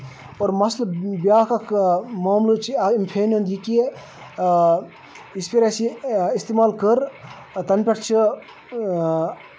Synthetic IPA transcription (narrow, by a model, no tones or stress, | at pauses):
oːɾmɐslbjaːkɐkʰmoːmlut͡ʃʰiɐimpʰeːnɐnd̪jiki | ispiɾasiist̪emaːlkəɾ | t̪ɐnpʲɐʈʰt͡ʃʰi